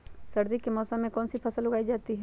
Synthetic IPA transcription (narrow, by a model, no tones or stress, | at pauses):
sɐɾd̪ikemɔːsamẽkɔːnsipʰɐsəlːʊɡaːid͡ʒaːt̪iɦɛ